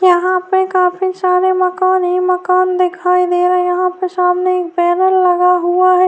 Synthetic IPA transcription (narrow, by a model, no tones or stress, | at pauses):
jɐɦãpekaːpisaːɾemɐkaːnɦimɐkaːnd̪ɪkʰaːid̪eːɾaɛjɐɦãpəɾsaːmneeːk̚bɛːnəlːɐɡaɦʊaɦɛ